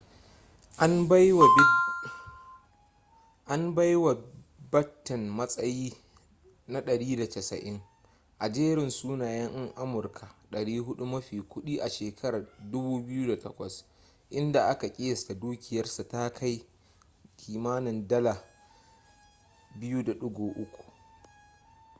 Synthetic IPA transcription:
ʔa˦n˦w | ʔa˦mba˦jwa˨ | bɐ˦tːɐ˨nmɐ˦sʼɐ˦jiː˦ | na˦ɗɐ˨ɽiː˦da˨tɐ˨sɐ̰˨ʔɪ˦ŋ | ʔa˨d͡ʒeː˦ɾɪ˨nsuː˦naː˨jɐ˦ŋʔɪ˦ŋʔa˦mʊ˨rkʰa˨ɗɐ˨ɽiː˦ɦʊ˦ɗu˦mɐ˦ɸiː˨kʷʊ˦ɗiː˦ʔa˨ʃeː˨kʰɐ˦ɾaː˨dʊ˦buː˦bɪ˦juː˦da˨tɐ˦kʷɐ˨s | ʔɪ˦nda˨ʔa˦ka˨kʲʼɪ˦jɐ˨sta˨duː˦kʲɪ˨jɐ˦rsa˨ta˦kʰa˦j | kʲʰiː˨maː˦nɪ˨ndɐ˦la˨ | bɪ˦juː˦da˨ɗʊ˦ɡʷoː˨ʔʊ˦kʷu̥˨ʔ

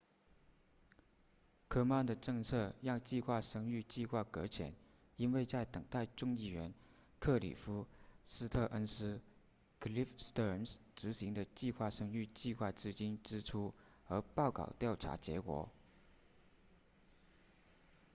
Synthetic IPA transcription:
kʰɤ˥ma˥˩nd̪ə˩ʈ͡ʂɤ˥˧ŋt͡sʰɤ˥˧jɑ˥˧ŋt͡ɕi˥˧xwa˥˩ʂɤ˥ŋy˥˧t͡ɕi˥˧xwa˥˩kɤ˧˥t͡ɕʰjɛ̰˨˩˦n | i˥nwe˥˧ɪt͡sa˥˩ɪt̪ɤ˨˩ŋt̪a˥˧ɪʈ͡ʂʊ˥˧ŋi˥˩ɥɛ˧˥n | kʰɤ˥˩lḭ˨˩fu˥sɹ̩˥t̪ʰɤ˥˧ʔə˥nsɹ̩˥ | kʰli˥fst̪ə˥nsʈ͡ʂɻ̩˧˥ɕi˧˥ŋd̪ə˧t͡ɕi˥˧xwa˥˩ʂɤ˥ŋy˥˧t͡ɕi˥˧xwa˥˩ʈ͡ʂɻ̩˥˧t͡ɕi˥nʈ͡ʂɻ̩˥ʈ͡ʂʰu˥ | ə˞˧˥pɑ˥˩ʊkɑ̰˨˩ʊt̪jɑ˥˩ʊʈ͡ʂʰa̰˧˥t͡ɕjɛ̰˧˥kwɔ̰˧˥˦

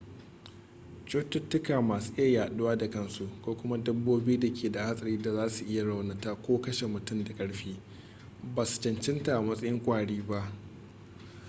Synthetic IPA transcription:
t͡ʃoː˦tʊ˦tːʊ˦kaː˨maː˨suː˦ʔɪ˦ja˦˨jaː˨ɗʊ˦waː˦da˨kɐ˦nsu˨kʷoː˦kʷʊ˦ma˦dɐ˦bːoː˦bi˦iː˦da˨kʲʰeː˨da˨ha˦sʼɐ˨ɽiː˦da˨zaː˦su˨ʔɪ˦ja˨ɽa˨wna˨ta˦kʷoː˦kɐ˦ʃe˨mʊ˨tʊ˦˨mda˨kʼɐ˦ɽɸiː˦ | baː˨su̥˨t͡ʃɐ˨nt͡ʃɪ˦nta˨ʔa˨mɐ˦sʼɐ˦jɪ˦ŋkʷʼaː˨ɽiː˦ba˦ʔ

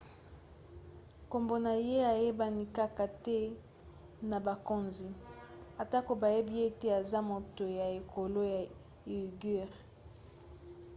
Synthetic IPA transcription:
ko˨mbo˨na˨je˦a˨je˦ba˦ni˦ka˦ka˨tɛ˦ | na˨ba˨ko˦nzi˨a˨ta˦ko˨ba˨je˦bi˦e˦te˦a˨za˦mo˨to˨ja˨e˨ko˨lo˦ja˨ | i˨ɡi˦˨ʁ

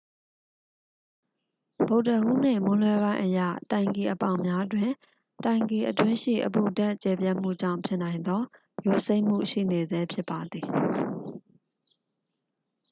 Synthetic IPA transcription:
b̥o˨ʊʔtə˨ʔṵ˦˨nɪ̰̃˦˨mʊ̃˦lwɛ˦bã˦ɪ̃ʔəjä̰˦˨tã˨ɪ̃ŋke˨ʔəpã̰˦˨ʊ̃mja˦dwɪ̃˨ | tã˨ɪ̃ŋke˨ʔətwɪ̃˦ʃḭ˦˨ʔəpṵ˦˨da˦˨ʔt͡ɕɛ˨p̬jɛ˦ʔm̥ṵ˦˨d͡ʑã̰˦˨ʊ̃pʰjɪ˦ʔnã˨ɪ̃nd̪ɔ˦ | jo˨se˦ɪʔm̥ṵ˦˨ʃḭ˦˨ne˨zɛ˦pʰjɪ˦pːa˨d̪ði˨

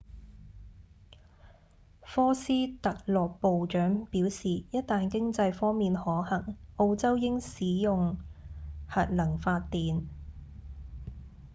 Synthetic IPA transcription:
fɔː˥siː˥t̪ɐ˨k̚lɔː˨˩k̚po˨wt͡ʃœː˨˥ŋpiː˨˥wsiː˨jɐ˥t̚t̪aː˨nkɪ˥ŋt͡sɐ˧jfɔː˥ŋmiː˨nhɔː˨˥hɐ˨˩ŋʔo˧wt͡sɐ˥wjɪ˥ŋsiː˨˥jʊ˨ŋ | hɐ˨t̚lɐ˨˩ŋfaː˧t̪ːiː˨n

